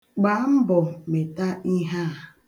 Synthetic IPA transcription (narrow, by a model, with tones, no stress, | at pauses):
ɡ͡ba˨˦m̩˦bɔ˨me˨ta˦i˦ɦa˦˨